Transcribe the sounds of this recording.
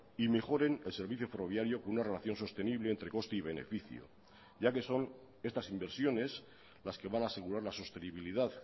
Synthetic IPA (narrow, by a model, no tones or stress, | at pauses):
ime̞xo̞ɾe̞nelseɾβiθjo̞fero̞β̞jaɾjo̞ko̞nunare̞laθjo̞nso̞st̪e̞niβ̞le̞ːnt̪ɾe̞ko̞st̪eiβ̞e̞ne̞̰fiθjo̰ | ʝake̞so̞n | e̞st̪asimbe̞ɾsjo̞ne̞s | laske̞βanaːse̞ɣ̞uɾaɾlaso̞st̪e̞niβ̞iliðað